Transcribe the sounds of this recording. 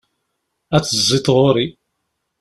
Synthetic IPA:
æt͡sːəzˤːit̪ˤʁoɾi

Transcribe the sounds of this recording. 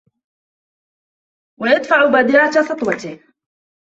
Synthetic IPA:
wajad̪faʕʊbad̪ɪɾat̪asɑt̪ˤwɑt̪ɪh

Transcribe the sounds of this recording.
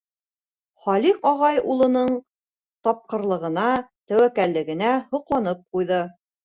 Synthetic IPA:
χɑliqɒʁɑjulˠɤ̆nɤɴ | t̪ɒp̚qɤ̆ɾlˠɤ̆ʁɤ̆nɑt̪æwækælːɘ̆ɡɘ̆næhŏqlˠɑnɤp̚qujðɤ

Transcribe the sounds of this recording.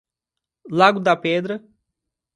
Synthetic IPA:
laɡʊd̪ɐpɛd̪ɾɐ

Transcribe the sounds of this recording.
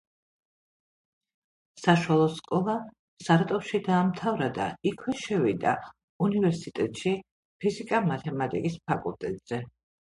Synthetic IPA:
saʃwalˠɔskʼɔlˠa | saɾt̪ʼɔpʃid̪aːmt̪ʰavɾad̪a̰ikʰwɛʃɛvid̪a̰ | univɛɾsit̪ʼɛt̪ʼʃi | pʰizikʼamat̪ʰɛmat̪ʼḭkʼispʰakʼulˠt̪ʼɛt̪ʼz̥ɛ

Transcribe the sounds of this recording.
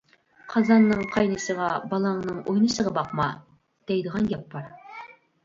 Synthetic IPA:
qʰɑzɑnːɨŋqʰɑjnɨʃəʁɑbɑlˠɑŋnɨŋojnɨʃəʁɑbɑqmɑ | d̪̥ɛjd̪əʁɑnɡʲɛpːɑɾ

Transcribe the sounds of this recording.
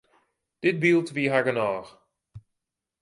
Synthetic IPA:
d̥ɪt̚bilˠtʋiɦaɡənaːx

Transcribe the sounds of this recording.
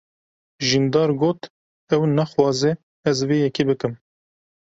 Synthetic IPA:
ʒind̪ɑːɾɡoːt̪ | ɛwnɛxwɑːzɛ | ɛzveːjɛkiːbɨkɨm

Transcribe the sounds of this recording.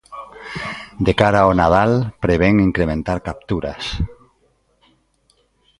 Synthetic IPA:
d̪ekaɾaonaðalpɾeβeŋiŋkɾemẽnt̪aɾkap̚t̪uɾa̰s

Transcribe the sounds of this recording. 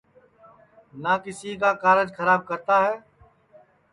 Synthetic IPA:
nakɪsik̬aːkaːɾəd͡ʒxʰəɾaːb̚kəɾt̪aɦɛː

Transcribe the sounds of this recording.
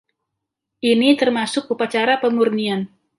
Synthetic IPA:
ʔinit̪ərmasʊk̚upat͡ʃaɾapəmurnian

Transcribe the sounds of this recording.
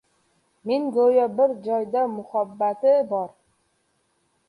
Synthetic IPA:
meŋɡojɑbɪɾd͡ʒɒjd̪amʊhabːat̪ɪbɒɾ

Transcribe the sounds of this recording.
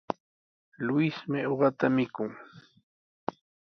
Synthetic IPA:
lʊɪsmɪoɢɑt̪amɪkʊŋ

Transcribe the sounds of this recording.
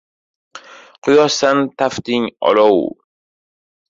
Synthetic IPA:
qʰʊjɒsant̪ʰaft̪ɪŋɒ̰lɒw

